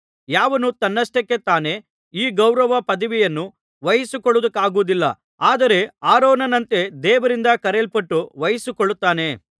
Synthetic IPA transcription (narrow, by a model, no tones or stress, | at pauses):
jaːʋɐnut̪ɐnːɐsʈɐkːe̞t̪aːne̞ | iːɡɐwɾɐʋɐpɐd̪ɐʋijɐnːu | ʋɐjɐsukɔɭːud̪ukːaːɡuʋud̪ilːɐ̰ | aːd̪ɐɾe̞aːɾoːnɐnɐnt̪e̞d̪ɛːʋɐɾind̪ɐkɐɾeɭpɐʈːuʋɐjɐsukɔɭːut̪ːaːne̞